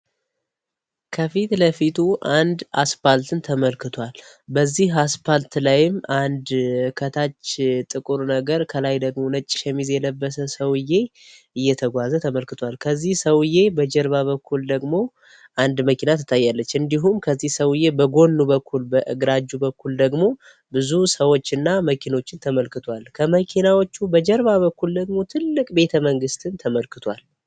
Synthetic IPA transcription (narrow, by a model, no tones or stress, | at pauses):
kʰəfit̪ləfit̪ʰuʔand̪ʔaspalt̪ʰɨnt̪ʰəməlkɨt̪ʰʷal | bəzːihaspalt̪lajɪmand̪kʰət̪ʰat͡ʃːt̪ʼɨkʼɨɾunəɡəɾkʰəlajd̪əɡmo̞nət͡ʃʼːɪ̥ʃɛmizjɛləbːəsəsəwɨje̞ | ɨjːɛt̪ʰəɡʷazət̪ʰəməlkɨt̪ʰʷalkʰəzːihsəwje̞bəd͡ʒɛɾβaβəkʰːuld̪əɡmo̞ | ʔand̪məkʰinat̪ʰɨ̥t̪ʰːajːalːət͡ʃːɨnd̪iɦumkʰəzːihsəwɨje̞bəɡo̞nːubəkʰːulbəʔɨ̰ɡɾad͡ʒːubəkːuld̪əɡmo̞ | bɨzusəwo̞t͡ʃːɨnːaməkʰino̞t͡ʃːɪnt̪ʰəməlkɨt̪ʰwalkʰəməkʰinawot͡ʃːubəd͡ʒɛɾβaβəkːuld̪əɡmo̞t̪ʰɨlːɨkʼbe̞t̪ʰəməŋɡɨst̪ʰɨnt̪ʰəməlkʰɨt̪ʰwal